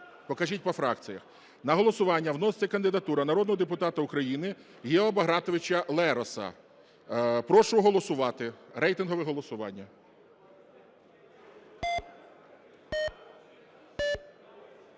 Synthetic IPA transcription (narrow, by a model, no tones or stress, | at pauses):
pɔkɐʒʲit̚ʲpɔfɾɑk̪̚t͡s̪ʲijɐ̰x | nɐɦɔlˠɔsʊʋɑnʲːɐwnɔst͡s̪ʲɐkɐnd̪ɪd̪ɐt̪uɾɐnɐɾɔd̪nɔɦɔd̪epʊt̪ɑt̪ɐʊkɾɐjinɪ | jɛɔbɐɦɾɑt̪ɔʋɪt͡ʃɐlˠɛɾɔsɐ̰ | pɾɔʃʊɦɔlˠɔsʊʋɑt̪ɪɾɛjt̪ɪnɦɔʋɛɦɔlˠɔsʊʋɑ̰nʲːɐ